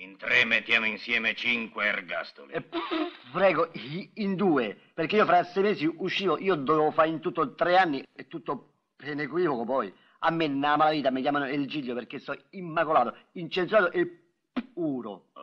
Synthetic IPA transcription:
int̪ɾemːet̪ːjaːmoinsjɛːmet͡ʃiŋkwerɡa̰st̪o̰li | pɾɛːɡoind̪uːe | perkeiːofɾasːɛjmɛːsiʔuʃːiːvoʔiːod̪ovɛofaint̪ut̪ːot̪ɾeanːiɛt̪ːut̪ːo | penekwiːvokopɔj | amːenːamalaviːt̪amik̬jaːmanoeld͡ʒiʎːoperkːesːɔimːakolaːt̪oint͡ʃent̪suaːt̪oʔe | uːɾo̰

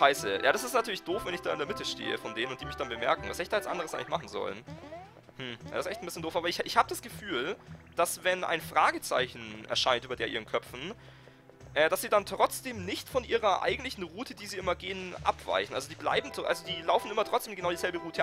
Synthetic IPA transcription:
ʃaɪsəjʔaːɾasɪstnatʰyːɐlɪçd̥oːfvɛnɪçd̥aːɪndeːɐmɪtəʃtḛːə̰fɔndeːnənʊntd̥iːmɪçd̥anbəmɛɐkŋ̩vasiɪçd̥aːjsʔa̰ndəʁ̞əsʔaɪŋlɪçmaχn̩zɔ̰lən | mm̩ja̰ːdsʔɛçtn̩bɪsçəndoːfaːbɐɪçʔɪçhaːbədasɡ̥əfyːld̥asvɛnʔa̰ɪnfʁ̥aːɡət͡sa̰ɪçn̩ʔɛɐʃaɪntʔyːbɐdeːɐʔiːʁənkʰœpp͡fn̩ | ʔɛːdasz̥iːdantʁ̥ɔt͡sd̥eːmnɪçtfɔnʔiːʁɐʔa̰ɪɡŋ̩tlɪçn̩ʁuːtʰədiːziːʔɪmɐɡeːənʔa̰pv̥a̰ɪçn̩ʔalzodiːbla̰ɪbm̩tʔa̰lzodiːlaʊfn̩ʔɪmɐtʁ̥ɔt͡sd̥eːmɡənaʊdiːzɛlbəʁuːtʰə

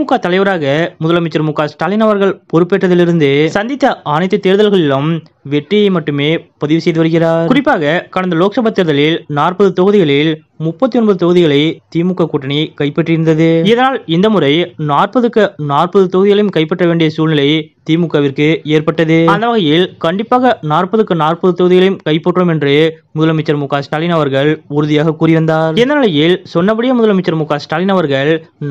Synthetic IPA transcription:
imʊkːaːt̪ɐlɐɪʋɐɾaːɣɐmʊðɐlɐmɪt͡ʃːɐɾmʊkːaːsʈaːlɪnɐʋɐɾɣɐɭpɔɾɯpːeːʈːɐðɪlɪɾɯnd̪ɯsɐnd̪ɪt̪ːɐɐnɐɪt̪ːɐt̪ːeːɾðɐlɣɐɭɪlɐm | ʋɛʈrɪjɐɪmɐʈːɯmeːpɐðɪʋɯsɛjðɯʋɐɾɯɣɪraːɾkʊrɪpːaːɣɐkɐɳɐnd̪ɐloːksɐbɐt̪ːeːɾɯðɐlɪlnaːrpɐðɯt̪ɔɣɯðɪɣɐɭɪl | mʊpːɐt̪ːiɔnbɐðɯt̪ɔɣɯðɪɣɐɭɐɪt̪iːmʊkːaːkuːʈːɐnikɐɪpːɛʈrɪɾɯnd̪ɐðɯɪðɐnaːlɪnd̪ɐmʊrɐɪnaːrpɐðɯkːɯnaːrpɐðɯt̪ɔɣɯðɪɣɐɭɐjɯmkɐɪpːɐʈrɐʋeːɳɖɪjɐsuːlnɪlɐɪt̪iːmʊkːɐʋɪrkɯeːɾpɐʈːɐðɯɐnd̪ɐʋɐɣɐjɪlkɐɳɖɪpːaːɣɐnaːrpɐðɯkːɯnaːrpɐðɯt̪ɔɣɯðɪɣɐɭɐjɯmkɐɪpːɐʈːromɛndrɯmʊðɐlɐmɪt͡ʃːɐɾmuːkːaːsʈaːlɪnɐʋɐɾɣɐɭʊɾʊðɪjaːɣɐkuːrɪʋɐnd̪aːɾɪnd̪ɐnɪlɐjɪlsɔnːɐpːɐɽɪjɐmʊðɐlɐmɐɪt͡ʃːɐɾmuːkːaːsʈaːlɪnɐʋɐɾɣɐɭn

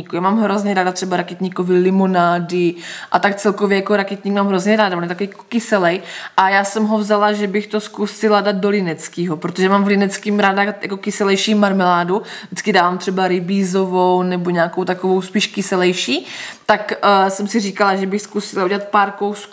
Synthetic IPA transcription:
ikujaːmaːmɦɾozɲɛɾaːdat̪r̥ɛbaɾakɛt̪ɲikovɪlɪmonaːdɪʔat̪ak̚t͡sɛlkovjɛjakoɾakɛt̪̚ɲiːkmaːmɦɾozɲɛɾaːdavonjɛt̪akovijkokɪsɛlɛjʔajaːsɛmɦovzalaʒɛbɪxt̪o̞skusɪladad̪̚do̞lɪnɛt͡skiːɦopɾot̪oʒɛmaːmvlɪnɛt͡skimɾaːdaja̰ko̞kɪsɛlɛjʃiːmaɾmɛlaːdudɪt͡skɪdaːvaːmt̪r̝̥ɛbaɾɪbiːzo̞vownɛbo̞ɲaːkowt̪akovo̞wspiːʃkɪsɛlɛjʃiːt̪aksɛmsɪriːkalaʒɛbɪxskusɪlaʔuɟɛlat̪̚paːɾkowsku

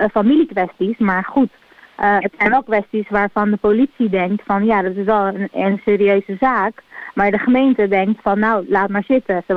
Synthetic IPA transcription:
familikʋɛstismaːɹχut | ətsɛjnʋɛlˠkʋɛstisʋaːɹvɑndəpolitsidɛŋktfɑnjadɑtɪsʋɛlˠənənseːɾiøɥzəzaːkmaːɹdəχəmejntədɛŋktfɑnːawlaːt̚maːɹzɪtəsə

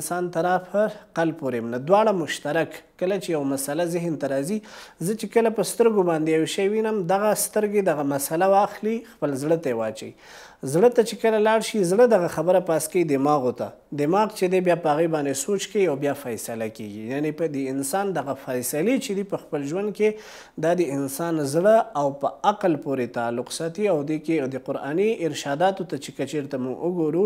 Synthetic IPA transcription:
sɑnt̪aɾɑpʰəɾqalpoɾemnad̪wɑɽamʊʃt̪aɾakːəlat͡ʃejawmasalazɪɦnt̪aɾɑzizət͡ʃekəlapəst̪əɾɡobɑnd̪ejaweʃajwinəmd̪aɣast̪əɾɡed̪aɣamasalawɑxlixpəlzɽət̪aewɑt͡ʃa̰ḭ | zɽət̪at͡ʃekəlalɑɽʃizɽəd̪aɣaxabəɾapɑskaid̪ɪmɑɣot̪a̰ | d̪ɪmɑɣt͡ʃed̪ebjɑpəhaɣebɑnd̪esot͡ʃkaiawbjɑfajsalakeɡijanepəd̪əɪnsɑnd̪aɣafajsalet͡ʃed̪ipəxpəlʒwand̪̚ke | d̪ɑd̪əɪnsɑnzɽəawpəaqlpoɾet̪ɑlːʊqsɑt̪iawd̪eked̪əqʊɾɑ̰niɪɾʃɑd̪ɑt̪ot̪at͡ʃekət͡ʃeɾt̪amʊɡʊɡoɾu

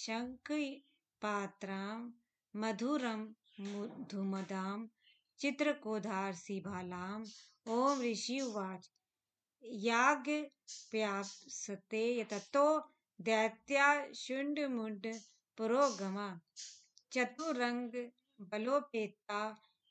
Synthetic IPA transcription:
ʃɐŋk | paːt̪ɾaːmː | ɐd̪ʱuːɾɐm | d̪ʱumɐd̪aːm | t͡ʃɪt̪ɾɐkoːd̪ʱaːɾsibʱaːlaːm | oːmɾiʃiʋaːʈʰ | jaːɡ | pjaːsɐt̪eːjɐt̪ɐt̪oː | d̪ɛːt̪jaːʃʊɳɖmuɳɖ | puɾoːɡɐmaː | t͡ʃɐt̪uɾɐŋɡ | bɐloːpeːt̪aː

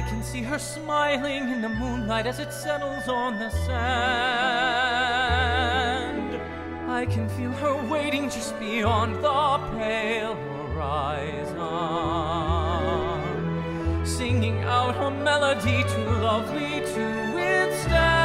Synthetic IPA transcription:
aɪkʰɨ̃n̩siə˞smaɪlˠɪ̃ŋɨ̃nðɨmũnlaɪɾɨzɨtsɛɾl̩ˠzn̩ðɨsæ | nd | aɪkʰɨ̃nfilˠə˞weɪɾɪ̃ŋd͡ʒʌst̚b̥iɑ̃nðəpʰelˠ | ə˞aɪ | z | n | sɪ̃ŋɪ̃ŋa̰ʊt̚hə˞mɛlˠədiɾɨlʌvliɾʰɨ | wɪð̥stæ

